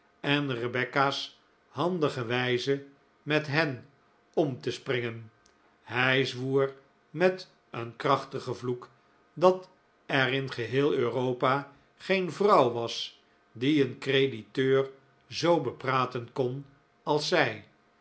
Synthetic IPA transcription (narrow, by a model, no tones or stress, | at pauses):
ɛnrəbɛkas | hɑndəχəʋɛjzə | mɛtɦɛn | ɔmtəsprɪŋən | ɦɛjzʋuːr | mɛt | ənkrɑχtəχəvluk | dɑt | ɛrɪnχəɦɪːlˠøːrowpa | χejnvrɑwʋɑs | diənkreditøːr | zowbəpraːtənkɔn | ɑlˠsɛj